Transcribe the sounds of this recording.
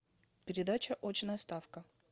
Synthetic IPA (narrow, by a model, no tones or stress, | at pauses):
pʲɪɾʲɪd̪at͡ɕəʔot͡ɕɪnəjst̪afkə